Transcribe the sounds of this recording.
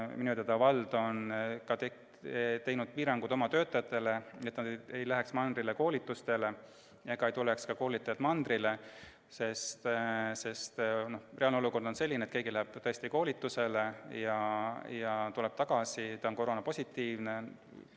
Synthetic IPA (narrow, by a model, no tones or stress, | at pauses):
minut̪et̪ɑvɑld̪̥o̞nkɑt̪e | t̪e̞jnud̪̥̚piːɾɑŋɡud̪̥o̞mɑt̪ø̞ːt̪ːˑɑjɑt̪ːˑe̞le̞e̞t̪ːnɑd̪e̞jlæɦeksmɑnd̪rileko̞ːlit̪ːˑust̪e̞le̞ | jɑɡ̥ɑejt̪ulekskɑko̞ːlit̪ːˑɑjɑt̪mɑnd̪rile | se̞st̪se̞st̪no̞hre̞ɑlneoluko̞rd̪̥o̞nse̞lːinet̪keɡilæɦeb̥t̪ɤ̞est̪iko̞ːlʲit̪ːuse̞le̞jɑjɑt̪uleb̥t̪ɑɡ̥ɑsit̪ɑonko̞ɾo̞nɑpo̞sʲit̪ːiːvne̞